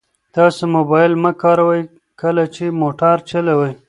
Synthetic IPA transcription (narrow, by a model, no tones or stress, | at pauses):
t̪ɑsomobɑɪlməkɑːɾawəj | kəlat͡ʃemoʈaɾt͡ʃəlawəj